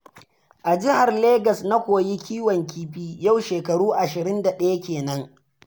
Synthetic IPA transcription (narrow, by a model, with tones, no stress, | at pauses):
ʔa˨d͡ʒɪ˦ha˨rleː˦ɡɐ˨sna˦kʷoː˨ji˦kʲiː˦wɔ˨ŋkʲiː˦ɸiː˦ja˦˨wʃeː˨kɐ˨ɽuː˦ʔa˨ʃɪ˨ɾɪ˦nda˨ɗɐ˦ja˦kʲeː˨nɐ˦ŋ